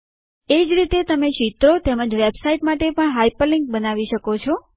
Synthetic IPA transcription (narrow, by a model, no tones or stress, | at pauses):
ed͡ʒɾit̪et̪əmeʃit̪ɾot̪eməd͡ʒʋebsaiʈmaʈepəɳɦajpəlɪŋk̚bənaʋiʃəkot͡ʃʰɔ